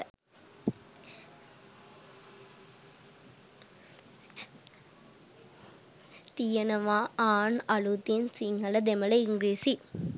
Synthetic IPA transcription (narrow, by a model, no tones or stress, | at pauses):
t̪ijɐnɐʋaːaːnɐɭut̪insiŋɐlɐd̪emɐlɐiŋɡɾiːsi